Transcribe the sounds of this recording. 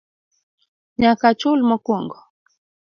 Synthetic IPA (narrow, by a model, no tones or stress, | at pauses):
ɲakat͡ʃulmɔkɔŋɡɔ